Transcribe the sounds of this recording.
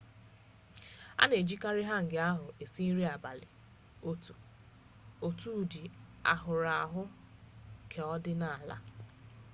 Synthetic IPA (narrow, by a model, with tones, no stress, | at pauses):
a̰˦ne˨d͡ʒi˦ka˦ɾɪ˦ɦa˦ŋ̩˨ɡɪ˨˦a˦ɦʊ˨ʔe˨si˦ɾi˦a˨ba˨lɪ̰˨ | o˨tu˦˨di˨a̰˨ɦʊ˨ɾa˨a˨ɦʊ˦ | kʰe˨ɔ˦dɪ˦na˨la̰˦